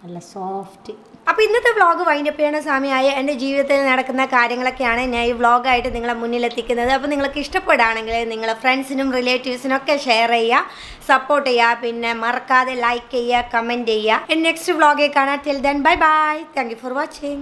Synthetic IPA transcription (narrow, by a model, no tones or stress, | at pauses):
ɐlːɐsoːftɨɐpːoːinːɐt̪ːebɭo̞ːɡɨʋɐjnupːejaːɳɨsaːmijaːjiended͡ʑiːʋiðɐt̪ːilnɐɽɐkːunːɐkaːɾjɐŋːɐɭo̞kːe̞jaːɳɨinːaːjiʋɭo̞ːɡaːjiʈːɨniŋːɐɭemunːilet̪ːikʲːunːɐðɨɐpːoːniŋɐɭokːeiʂʈɐpːeɽaːɳe̞ŋɡilniŋːɐɭfreɳɖsinumrileːtːiʋsino̞kːe̞ʂeːɐrejːɐ | sɐpːo̞ːrʈːejːapinːe̞mɐrɐkːaːðelɐjkːejːakɐmendejːaenɖne̞kstɨbɭo̞ːɡekːaːɳaːtild̪ɐnbɐjbajt̪ʰaːŋkjuforʋat͡ɕejjŋ